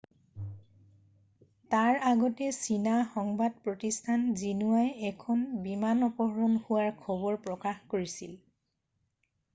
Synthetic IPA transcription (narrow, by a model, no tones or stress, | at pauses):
taɹaɡɔtɛsinaxɔŋbad̚pɹotistʰanzinuajɛkʰɔnbimanɔpɔɦɹɔnhʊwaɹkʰɔbɔɹpɹɔkaxkoɹisḭl